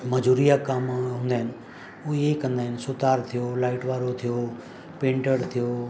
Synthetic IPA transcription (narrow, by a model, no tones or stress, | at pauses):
məd͡ʒuːɾijakamɦũːn̆d̪aɦɪnɪ̆ | uekə̃nd̪aːɦɪnsʊt̪aːɾt̪ʰijolaːɪʈʋaːɾot̪ʰijo | pẽːɳʈəɾt̪ʰijoː